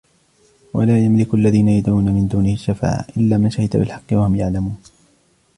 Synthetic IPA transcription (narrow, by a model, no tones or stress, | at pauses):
wa̰laːjamlɪkʊʔalːaðiːnajad̪uːnamɪnd̪uːnɪhɪʃːafa̰ːʕʔɪlːaːmanʃahɪd̪t̪abɪ̰lħɑqːɪwahʊmjaʕlamuːn